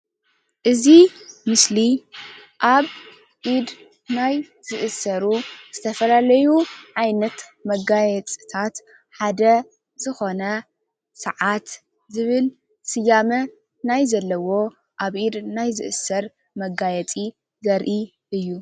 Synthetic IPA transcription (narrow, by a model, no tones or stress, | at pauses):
ʔɨzimɨsli | ʔaβ | ʔid̪ | naj | zɨʔɨsɐɾuz̥ɨt̪ʰɐfɐlalɐjuʕajnɐt̪mɐɡajɛt͡sʼit̪ʰat̪ | ħad̪ɐ | zɨxo̞nɐ | sɐʕat̪ | zɨβɨl | sɨjamɐ | najzɐlːɐwo̞ | ʔaβʔid̪najzɨ̰ʔɨsɐɾ | mɐɡajɛt͡sʼi | zɐɾʔi | ʔɨjːu